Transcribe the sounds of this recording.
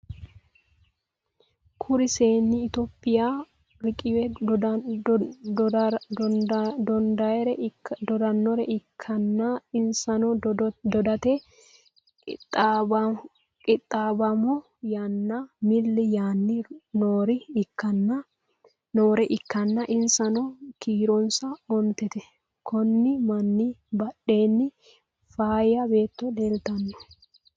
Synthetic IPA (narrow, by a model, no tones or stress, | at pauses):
kʰʊɾɪseːnːɪːt̪opʼːɪjaː | ɾɪkʼɪwɛ | d̪ɔnd̪ɐjɛɾɛd̪ɔd̪ɐnːɔɾɛʔɪkʰːɐnːaɪnsɐnɔd̪ɔd̪ɐt̪ɛ | t̪ː | kʼɪt̪ʼːaːbɐmɔ | janːamɪlːɪjaːnːɪnoːɾɪɪkːɐnːɐ | noːɾɛʔɪkːɐnːɐʔɪnsɐnɔkiːɾɔnsɐɔnt̪ɛt̪ɛ | kʰɔnːɪmɐnːɪbɐɗːe̞ːnːɪ | faːjɐbe̞ːt̪ːɔd̪eːlt̪ɐnːɔ̥